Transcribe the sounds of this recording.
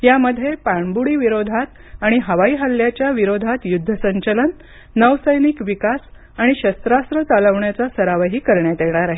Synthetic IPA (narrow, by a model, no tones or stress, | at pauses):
jaməd̪ʱːjepaɳbuɽiːʋiɾod̪ʱat̪ | aɽ̃iɦəʋaiːɦəlːjat͡ɕjaʋiɾod̪ʱat̪jud̪ʱːəsəɲt͡ɕələnː | əʋsəjniːkʋikas | aɽ̃iɕəst̪ɾast̪ɾət͡saləʋɳjat͡sasəɾaʋəɦiːkəɾɳjat̪eɳ̃aɾaɦe